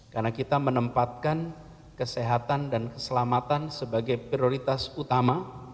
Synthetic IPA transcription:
kanakit̪amənəmpat̪̚kan | kəseɦat̪andankəsəlamat̪ansəbaɡajpɾioɾit̪asut̪ama

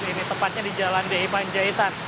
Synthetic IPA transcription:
init̪əmpat̪̚ɲadid͡ʒalandaipaɲd͡ʒait̪an

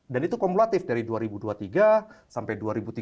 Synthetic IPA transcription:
danit̪ukɔmulat̪ɪfdaɾiduaɾibuduat̪iɡasampajduaɾibut̪i

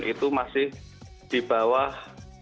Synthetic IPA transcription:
ʔit̪umasɪh | d̪̥i̤b̥a̤wah

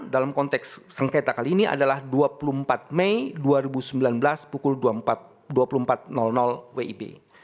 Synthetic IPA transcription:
dalamkɔnt̪ɛksːəŋket̪akaliːnia̰dalahduapulumpat̪̚mɛjduaɾibusəmbilanblaspukʊlduaat̪̚ | duapulumpat̪̚nɔlnɔlweibḛ

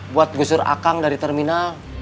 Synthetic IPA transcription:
buat̪̚ɡusʊra̰kaŋdaɾit̪ɛrminal

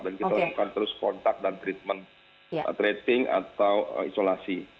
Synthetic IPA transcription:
dankit̪alakukant̪əɾʊskɔnt̪ak̚dant̪ɾit̪̚mən̰ | t̪ɾet̪ɪŋa̰t̪awə̰isolasi

